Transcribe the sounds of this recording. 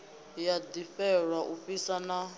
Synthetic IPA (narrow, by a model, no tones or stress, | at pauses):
jad̪ifɛɺwaʔuɸisana